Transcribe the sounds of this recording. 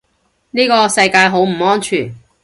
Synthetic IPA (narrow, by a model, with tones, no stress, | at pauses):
niː˥kɔː˧sɐ˧jkaː˧jɦo˨˥wm̩˨˩ɔː˥nt͡ʃʰyː˨˩n